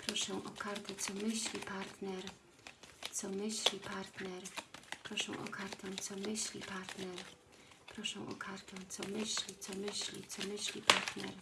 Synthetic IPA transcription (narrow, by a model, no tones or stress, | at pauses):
pɾɔʂɛw̃ʔɔkaɾt̪ɛt̪sɔmɘɕlʲipaɾt̪nɛɾ | t̪sɔmɘɕlʲipaɾt̪nɛɾpɾɔʂɛ̰w̃ʔɔ̰kʰaɾt̪ɛ̃w̃t̪sɔmɘɕlʲḭpaɾt̪nɛɾ | pɾɔʂɛ̃w̃ʔɔ̰kʰaɾt̪ɛw̃t̪sɔmɘɕlʲit̪sɔmɘɕlʲḭt̪sɔmɘɕlʲḭpʰaɾt̪nɛɾ